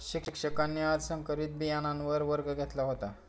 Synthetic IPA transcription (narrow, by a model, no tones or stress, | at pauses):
ɕikkʂəkanːiad̪sə̃ŋkəɾiːt̪̚bijanãnʋəɾʋəɾɡəɡʱet̪laɦot̪a